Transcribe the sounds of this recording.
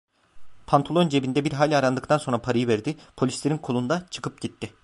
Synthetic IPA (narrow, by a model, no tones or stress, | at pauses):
pʰant̪ʰolˠond͡ʒe̞bind̪ɛbiɾɦaːlʲaɾand̪ɯkt̪ʰanso̞nɾapʰaɾajɯvæɾd̪ɪpʰo̞lʲislʲe̞ɾinkʰolˠund̪at͡ʃʰɯ̥kɯp̚ɟit̪ʰːɪ